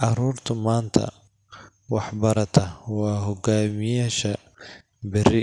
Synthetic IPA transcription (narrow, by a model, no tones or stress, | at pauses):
ʔʕɑɾuːrt̪ʰʊmaːnt̪ʰɐ̰ | wɑħbɐɾɐt̪ʰɐwɑːɦɔɡaːmɪjaːʃɐ | bɪɾɪ